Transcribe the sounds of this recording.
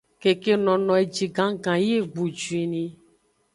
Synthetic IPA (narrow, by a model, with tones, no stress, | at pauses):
ke˨ke˦nɔ̃˨nɔ̃˨e˨d͡ʒi˨ɡã˦ɡã˨je˦˨ɡ͡bu˨d͡ʒu˨i˨nĩ˨